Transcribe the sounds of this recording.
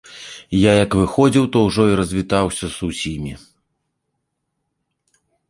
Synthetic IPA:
jajɐkvɨxɔd͡zʲiwt̪ɔwʐɔiɾɐzʲvʲit̪awsʲɐsusʲimʲi

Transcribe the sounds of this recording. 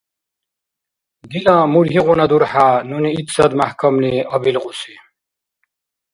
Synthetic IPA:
d̪ilamuɾɦiʁunad̪uɾħanuniit̪sɐd̪mahkɐmliɐbilʁusi

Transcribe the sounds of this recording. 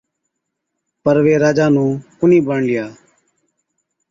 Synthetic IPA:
pəɾʋeːɾaːd͡ʒaːnũː | ʊniːbəɳlɪjaː

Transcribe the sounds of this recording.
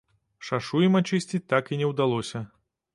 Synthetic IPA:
ʂaʂujɛmat͡ʂɨsʲt͡sʲit̪akinʲɛwd̪alˠɔsʲɐ

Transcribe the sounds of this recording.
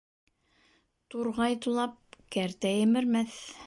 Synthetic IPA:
t̪uɾʁɑjt̪ulˠɑp̚kæɾt̪æjɘ̆mɘ̆ɾmæθ

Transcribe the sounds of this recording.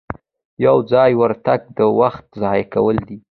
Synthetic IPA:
jawd͡zɑjwəɾt̪aɡ̚d̪əwaxt̪̚zɑjkawəld̪i

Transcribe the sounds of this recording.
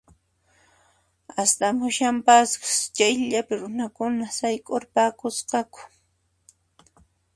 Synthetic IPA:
ast̪amʊʃampaskt͡ʃajʎapɪɾʊnakʊnasajkʼoɾpaːkʊsqɑkʊ̥

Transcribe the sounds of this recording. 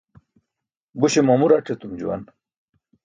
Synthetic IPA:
buɕemɐmuɾaʈʰet̪umd͡ʑuwɐ̰n

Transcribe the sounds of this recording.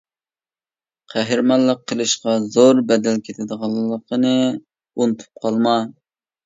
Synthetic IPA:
qʰæɦɪɾmɑlˠːəqʰːəlˠɨʃqɑzoɾbɛd̪ɛlkʲʰet̪ʰɪd̪əʁɑlˠːəqʰənɨ | unt̪ʰu̥p̚qʰɑlˠmɑ

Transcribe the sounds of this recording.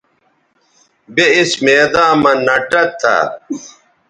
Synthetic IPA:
beismeːd̪ãːmɐ̃nɐʈɐt̪ʰːa̰

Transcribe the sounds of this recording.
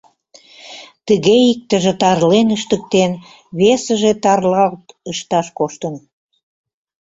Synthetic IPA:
t̪əɣeik̚t̪ə̆ʒĕt̪ɑrlenəʃt̪ə̆k̚t̪en | βesə̆ʒet̪ɑrlɑlt̪əʃt̪ɑʃkoʃt̪ən

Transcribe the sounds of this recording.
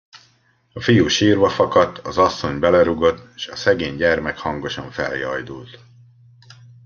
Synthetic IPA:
ɒfijuːʃiːrvɒfɒkɒt̪ːɒzɒsːo̞ɲbɛlɛɾuɡo̞t̪ːeːʃɒsɛɡeːɲɟɛrmɛkhɒŋɡo̞ʃɒɱfɛ̰ljɒjd̪ult̪

